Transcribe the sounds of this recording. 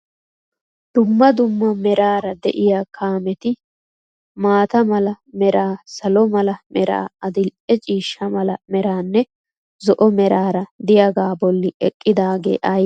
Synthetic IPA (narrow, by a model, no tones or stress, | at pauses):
d̪̥ʊmːɐd̪ʊmːɐmɛɾaːɾɐd̪ɛ̰ʔɪjaːkʰaːmɛt̪ɪ | maːt̪ɐmɐlɐ | mɛɾaːsɐlɔmɐlɐmɛɾa̰ːɐd̪ɪlɛt͡ʃʼiːʃːɐmɐlɐmɛɾaːnːɛ | zɔʔɔmɛɾaːɾɐd̪ɪjɐɡaːbɔlːɪɛkʼːɪd̪aːɡḛːʔɐj